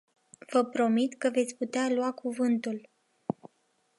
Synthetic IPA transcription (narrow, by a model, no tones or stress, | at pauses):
v̥əpɾo̞mit̪kəve̞t̪sʲput̪ealwakuvɨnt̪ul